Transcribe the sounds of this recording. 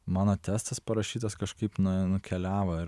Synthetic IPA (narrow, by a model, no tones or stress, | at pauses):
mɑːnoːt̪ʲæːst̪ɐspɐɾɐʃʲiːt̪ɐskɐʃkɐɪpnʊnʊkʲɛlʲæːʋoːɪɾ